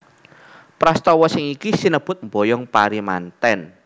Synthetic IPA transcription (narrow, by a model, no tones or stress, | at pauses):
pɾast̪ɔwɔsɪŋikisinəb̥ʊ̤t̪̚mbojɔŋpaɾima̰nt̪ɛn